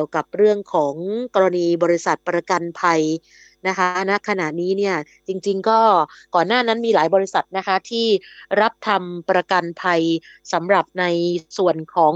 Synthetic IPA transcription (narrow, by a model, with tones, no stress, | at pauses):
əwka˨˩p̚ɾɯ˥˩əŋkʰɔː˩˦ŋkɔː˧ɾa˧niː˧bɔː˧ɾi˦˥sa˨˩t̪̚pɾa˧ka˧npʰa˧j | na˦˥kʰa˦˥na˦˥ʔkʰa˧na˨˩ʔniː˦˥ni˥˩ɐ | t͡ɕi˧ŋt͡ɕi˧ŋkɔː˥˩kɔː˨˩nːaː˥˩na˦˥nmiː˧laː˩˦jbɔː˧ɾi˦˥sa˨˩t̪̚na˦˥kʰa˦˥t̪ʰiː˥˩ɾa˦˥p̚t̪ʰa˧mpɾa˧ka˧npʰa˧j | sa˩˦mɾa˨˩p̚na˧jsu˨˩ənkʰɔː˩˦ŋ